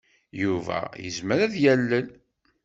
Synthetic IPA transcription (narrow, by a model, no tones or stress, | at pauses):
juvæ̰jə̰zməɾæðjælːən